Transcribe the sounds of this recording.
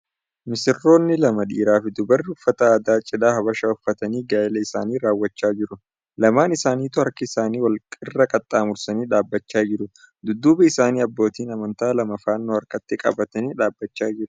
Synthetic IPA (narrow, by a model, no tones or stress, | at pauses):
mɪsɪrːo̞ːnːɪlɐmɐᶑḭːɾaːfɪd̪ʊbɐrːɪʊfːɐt̪ɐaːd̪aːt͡ʃʼɪlaːhɐbɐʃaːʊfːɐt̪ɐniːɡaːɪlɐɪsaːniːɾaːwːɐt͡ʃːaːd͡ʒɪɾʊ | lɐmaːnɪsaːniːt̪ʊɐɾkɪɪsaːniːwɐlkʼɪrːɐkʼɐt̪ʼːaːmʊɾsɐniːᶑaːbːɐt͡ʃːaːd͡ʒɪɾʊ | d̪ʊd̪ːuːbɛɪsaːniːɐbːo̞ːt̪iːnɐmɐnt̪aːlɐmɐfaːnːoːɐɾkɐt̪ːɪkʼɐ̰bɐt̪ɐniːᶑaːbːɐt͡ʃːaːd͡ʒɪɾʊ